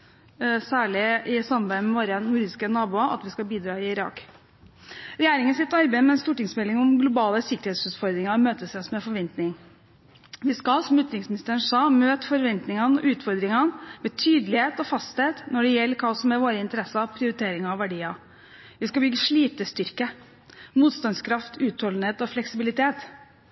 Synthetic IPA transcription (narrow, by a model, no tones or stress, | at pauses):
sæːɭɪʔɪsɑmbæɪmɛʋoːɾənjuːɾɪskənɑːbuːɑʔɑ̰t̪ʋɪskɑbiːd̪ɾɑːɪɪɾɑ̰ːk | ɾɛjeːɾɪŋənsɪt̪ːɑɾbeɪmɛɛnst̪uːʈɪŋsmɛlːɪŋɔmɡlʊbɑːləsɪkːəɾheːt̪sʉːt̪fɔɾd̪ɾɪŋɑmøːt̪əsɛsmɛfɔɾʋɛnt̪nɪŋ | ʋɪskɑsɔmʉːt̪ɾɪŋsmɪnɪst̪əɳʂɑːmøːt̪fɔɾʋɛnt̪nɪŋɑnɔ̰ʔʉːt̪fɔɾd̪ɾɪŋɑnmɛt̪ʰyːd̪əlɪheːt̪ɔfɑst̪heːt̪nɔɖɛjɛlːəkʰɑːsɔmɛɾʋoːɾəɪnt̪əɾɛsɑpʰɾɪʊɾɪt̪ʰeːɾɪŋɑʋæɖiːɑ | ʋɪskɑbʏɡːəʂɭiːt̪əst̪ʏɾkə | muːt̪st̪ɑnskʰɾɑft̪ʰʉːt̪hɔln̩heːt̪ɔflɛksɪbɪlɪt̪ʰeːt̪